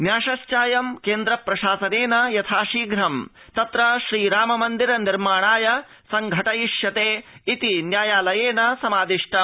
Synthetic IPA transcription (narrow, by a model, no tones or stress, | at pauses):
njaːʃɐʃt͡ʃaːjɐmkeːnd̪ɾɐpɾɐʃaːsɐneːnɐjɐt̪ʰaːʃiːɡɾɐm | t̪ɐt̪ɾɐʃɾiːɾaːmɐmɐnd̪iɾɐniɾmaːɳ̃aːjɐ | sɐŋɡʱɐʈɐjiʃjɐt̪eːit̪injaːjaːlɐjeːnɐsɐmaːd̪iʂʈɐ